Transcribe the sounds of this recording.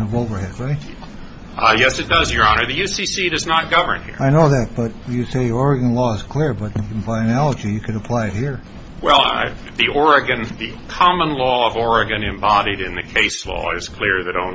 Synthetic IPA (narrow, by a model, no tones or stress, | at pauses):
ʌvoʊvə˞hɛd̚ɹaɪt̚ | jɛsɨt̚d̥ʌzjə˞ɑnə˞ðɨjʉsisiɾʌznət̚ɡ̥ʌvə̰˞nhḭɹaɪnoʊðɨt̚b̥ʌt̚jɨseɪɔɹɨɡɨ̃nlɔɪz̥kʰl̥ɪɹbʌt̚ɨ̃nbaɪɨnælˠəd͡ʒijɨkʰɨɾəpʰl̥aɪɨt̚hiɹ | wɛlˠ | ðiʔɔɹɨɡɨ̃nði | kʰɑmə̃nlɔʌvɔɹɨɡɨ̃nɨ̃mbɑɾiɾɨ̃nðɨkʰeɪslɔ̰ɪ̰z̥kʰl̥ɪɹðɨɾõ̰ʊ̃n